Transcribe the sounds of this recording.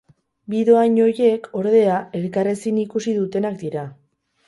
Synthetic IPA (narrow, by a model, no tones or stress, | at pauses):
biðo̞aɲo̞je̞ko̞ɾðe̞ae̞ɾkaresinikusiðut̪e̞nak̚d̪iɾa